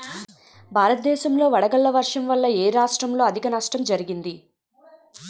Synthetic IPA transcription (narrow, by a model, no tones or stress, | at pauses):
bʱaːɾɐt̪̚d̪ɛːʃɐmlo̞ːʋɐɽɐɡɐɭːɐʋɐɾʂɐmʋɐlːɐeːɾaːʂʈɾɐmlo̞ːɐd̪ʱikɐnɐʂʈɾɐmd͡ʒɐɾiɡind̪i